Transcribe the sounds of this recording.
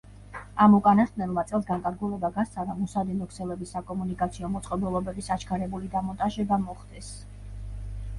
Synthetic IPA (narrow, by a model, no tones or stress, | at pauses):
amukʼanast̪nɛlˠmat̪sʼɛlˠsɡaŋkʼaɾɡulɛbaɡast̪sʰʼaɾamɔsad̪ɛnɔkʰsɛlɛbisːakʼɔmunikʼat̪sʰiɔmɔt̪sʼqʼɛbulˠɔbɛbisat͡ʃʰkʰaɾɛbulid̪amɔnt̪ʼaʒɛbamɔχd̪ɛs